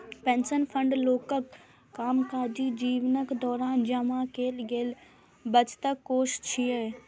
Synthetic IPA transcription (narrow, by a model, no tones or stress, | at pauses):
pẽːnsənpʰə̃ɳɖloːkəkː | aːmkaːd͡ʒid͡ʒiːʋnəkd̪ɔːɾaːnd͡ʒɐmakeːlɡeːl | bət͡ʃt̪əkːoːʃt͡ʃʰieː